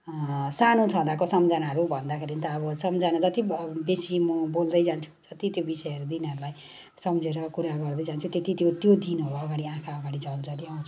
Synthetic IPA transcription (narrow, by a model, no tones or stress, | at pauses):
sanõt͡sʰʌd̪akosʌmd͡zanaɦʌɾubʱʌnd̪akʰeɾint̪ʌːβʌsʌmd͡zanad͡zʌt̪ibesimʌbold̪ʌjd͡zant͡sʰu̥d͡zʌt̪it̪jobisʌjʌɾud̪inʌɾulaj | sʌmd͡zeɾʌkuɾaɡʌrd̪ʌjd͡zant͡sʰut̪et̪it̪jot̪jod̪inɦʌɾʌɡaɽiãkʰaʌɡaɽid͡zʌld͡zʌliʌt͡sʰu̥